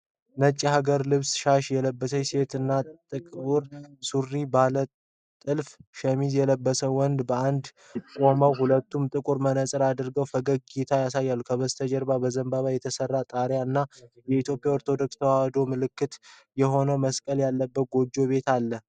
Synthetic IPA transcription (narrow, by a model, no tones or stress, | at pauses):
nət͡ʃʼːihaɡəɾlɨβsʃaʃjɛləbːəsəjse̞t̪ɨnːat̪ʼɨkʼuɾsurːibalə | t̪ʼɨlfʃəmizjɛləbːəsəwɔnd̪bəand̪ | kʼo̞məwhulət̪ːumt̪ʼɨkʼuɾmənəsʼɨɾad̪ɨɾɡəwfəɡəɡ̚ɡit̪ʰajasajːalːukʰəβəst̪ʰəd͡ʒɛɾbabəzəmbaβajɛt̪ʰəsərːat̪ʼaɾjaɨnːa | jɛit̪ʰjo̞pʼjaoɾt̪ʰo̞d̪o̞kst̪ʰəwawd̪o̞mɨlɨkːɨt̪ | jɛɦo̞nəməskʼəljalːəbːət̪̚ɡo̞d͡ʒːo̞βe̞t̪ʰalːə